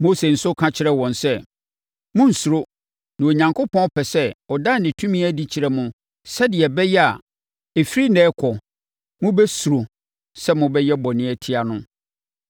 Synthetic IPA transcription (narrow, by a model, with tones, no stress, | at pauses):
mo˦se˨n̩˨sʊ˦kʰã˦t͡ɕʰɪ˦ɾɛ˦wɔ̃˨nsɛ˦ | mʊ̃˦n̩˨su˨ɾo˦ | nã˨o˨ɲã˨ŋkʰʊ˦pʰɔ̃˦pʰɛ˨sɛ˦ɔ˨da˦˨nɪ̃˨tʰũ˦mĩ˦æ˦di˦t͡ɕʰi˨ɾɛ˨mʊ̃˦ | sɛ˦dɪ˨ɛ˨bɛ˦jɛ˦a̰˨ | e˨fɾi˦nɛ̃ː˦kʰɔ˨ | mʊ̃˦bɛ˦su˨ɾo˨ | sɛ˦mʊ̃˦bɛ˦jɛ˦bɔ˨nɪ̃˦æ˨tʰi˦a˨nʊ̃˦